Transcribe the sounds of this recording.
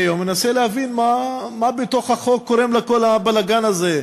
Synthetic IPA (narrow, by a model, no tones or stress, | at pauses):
jomenaselehavinmamabeto̞χhaχo̞kːoʁemleko̞labalaɡanaze